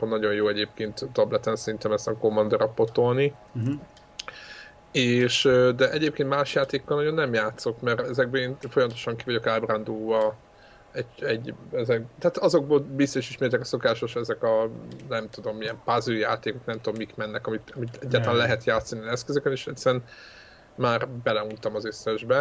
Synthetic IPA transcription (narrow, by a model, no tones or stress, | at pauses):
onːɒɟo̞njoːɛɟeːpkeːnt̪ːɒblɛt̪ɛnsɛɾint̪ɛmɛst̪ɒko̞mːɒnd̪ɒɾɒpo̞t̪o̞lni | eːʃød̪ɛʔɛɟeːp̚keːnt̪maːʃjaːt̪eːkkːɒlnɒɟo̞nːɛmjaːt̪so̞kmɛɾɛzɛɡ̚bøːeːnfjɒmɒt̪oʃɒŋkivɒɟo̞kaːbrand̪uːvɒ | ɛɟɛɟːɛzɛk̚t̪aat̪ɒzo̞ɡ̚boːlbist̪oʃiʃmeːrt̪ɛkɒso̞kaːʃo̞ʃɛzɛkɒnɛmt̪ud̪o̞mijɛmpazyjaːt̪eːko̞knɛmt̪ud̪o̞mːikmɛnːɛkɒmit̪ɒmit̪ɛɟːaːɾt̪ɒlanlɛɦɛt̪jaːt̪sːɒniɒnɛskøzøkɛneːʃɛt̪sːɛɾɛn | maːrbɛlɛunt̪ɒmɒzøsɛʒbɛ